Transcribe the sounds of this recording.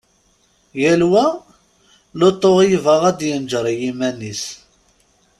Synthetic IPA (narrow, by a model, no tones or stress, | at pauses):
jælwæ | lot̪ˤːoʁjvəʁæd̪jənd͡ʒəɾˤjimænis